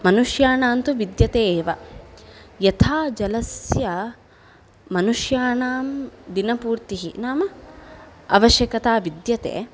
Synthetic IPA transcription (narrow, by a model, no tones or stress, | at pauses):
mɐnuʂjaːnaːnt̪uʋid̪jɐt̪eːʋɐ | jɐt̪ʰaːd͡ʒɐlɐsjɐ | mɐnuʂjaːnaːmd̪inɐpuːɾt̪iɦḭnaːmɐ | ɐʋɐʃjɐkɐt̪aːʋid̪jɐt̪ḛː